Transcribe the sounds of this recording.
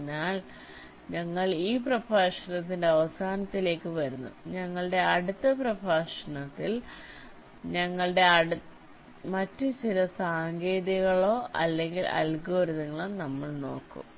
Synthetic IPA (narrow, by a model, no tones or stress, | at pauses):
ɲːaːl | ɲɐŋːɐɭiːprɐbʱaːʂɐɳɐt̪ːindeɐʋɐsaːnɐt̪ːile̞ːkːɨʋɐɾunːṵɲɐŋːɐɭɨɽe̞ɐɽut̪ːɐprɐbʱaːʂɐnɐt̪ːil | ɲɐŋːɐɭɨɽe̞ɐɽ | mɐtːɨt͡ɕilɐsaːŋɡe̞ːðɐɣɐɭo̞ːʔɐ̰lːe̞ŋɡilɐ̰lɡo̞ːɾiðɐŋːɐɭonɐmːɐɭno̞̰ːkːṵm